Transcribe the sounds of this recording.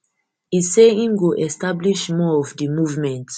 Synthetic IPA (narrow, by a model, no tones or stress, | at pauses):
iseĩnɡoʔɛstabliʃmɔɔfdimuvmɛ̃nt